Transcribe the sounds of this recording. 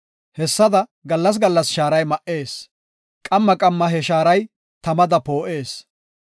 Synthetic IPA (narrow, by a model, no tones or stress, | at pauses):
hɛsːɐd̪ɐɡɐlːɐs̬ɡɐlːɐsʃaːɾɐjmɐʔe̞ːs | kʼɐmːɐkʼɐmːɐɦɛʃaːɾɐj | t̪ɐmɐd̪ɐpo̞ːʔe̞ːs